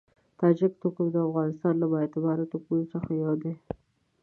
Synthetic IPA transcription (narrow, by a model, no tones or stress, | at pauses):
t̪ɑd͡ʒɪk̚t̪okəmd̪əafɣɑnɪst̪ɑnlabɑet̪ɪbɑɾat̪okunosəxajawd̪e